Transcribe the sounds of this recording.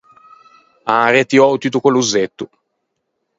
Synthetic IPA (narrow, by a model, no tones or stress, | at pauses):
aːɾjat̪iowt̪it̪ukoluzet̪ːu